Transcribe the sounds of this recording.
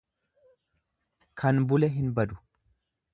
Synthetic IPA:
kʰɐnbʊlɛɦɪnbɐd̪ʊ̥

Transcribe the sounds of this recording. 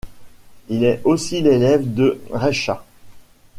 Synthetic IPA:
ilɛosilelɛvd̪əʁɛʃa

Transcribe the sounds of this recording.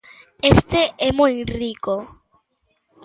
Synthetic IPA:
est̪eʔɛmujriko

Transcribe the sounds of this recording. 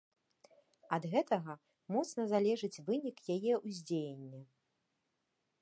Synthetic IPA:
ɐd̪ɣɛt̪ɐɣɐ | mɔt̪snɐzalʲɛʐɨt͡sʲvɨnʲikjajɛuzʲd͡zʲejenʲːɛ

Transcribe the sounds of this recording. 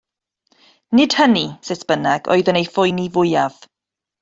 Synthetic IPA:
nɪd̥hənisesb̥ənaɡ̥ɔ̰ɨðənejfʊjnivʊjav̥

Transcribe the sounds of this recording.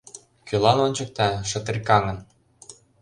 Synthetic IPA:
kølɑnonʲt͡ɕə̆k̚t̪ɑʃɤ̆t̪ĕrʲkɑŋə̆n

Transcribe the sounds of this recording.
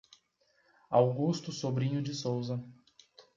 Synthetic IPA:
awɡust̪ʊsobɾĩɲʊd͡ʒɪsowzɐ

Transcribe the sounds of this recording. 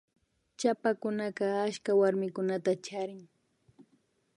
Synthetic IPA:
t͡ʃapakʊnakɑaʃkawaɾmɪkʊnat̪at͡ʃaɾɪŋ

